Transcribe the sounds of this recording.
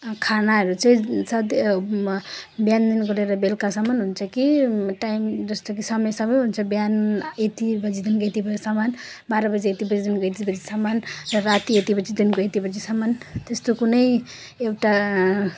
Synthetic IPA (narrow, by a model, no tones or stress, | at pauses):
kʰanaɾot͡ʃʰesʌd̪ | bjand̪inkoleɾʌbelkasʌmənɦunt͡sʰʌkiʈaimd͡ʒʌst̪okisʌməjsʌbəjɦunt͡sʰʌbjanet̪ibʌd͡ʒid̪inkoet̪ibʌd͡zisaman | baɾabʌd͡ʒiet̪ibʌd͡ʒid̪inkoet̪ibʌd͡ʒisamanɾʌɾat̪iet̪ibʌd͡ʒid̪inkoet̪ibʌd͡ʒisamant̪est̪okunəj | ewʈa